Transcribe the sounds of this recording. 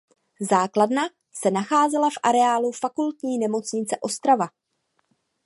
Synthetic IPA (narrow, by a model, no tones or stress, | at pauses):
zaːkladna | sɛnaxaːzɛlafʔa̰ɾɛaːlufakult̪ɲiːnɛmo̞t͡sɲɪt͡sɛʔo̞st̪ɾava